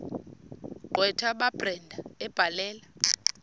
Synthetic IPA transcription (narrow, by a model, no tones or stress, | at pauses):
ǃwɛtʰaɓab̥rɛndʱaɛb̥ʱalɛːla